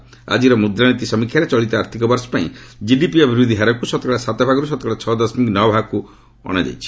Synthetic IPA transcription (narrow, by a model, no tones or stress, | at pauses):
a̰d͡ʒiɾɔmud̪ɾanit̪isɔmikʰjaɾet͡ʃɔɭit̪ɔaɾt̪ʰikɔbɔɾsɔ̥paḭ̃d͡ʒiɖipiɔbʱiɾud̪ʱiɦaɾɔkusɔt̪ɔkɭasat̪ɔbʱaɡɔɾusɔt̪ɔkɭat͡ʃʰɔd̪ɔsmiknɔbʱaku | ɔ̰ɽ̃ad͡ʒa̰jt͡ʃʰi̥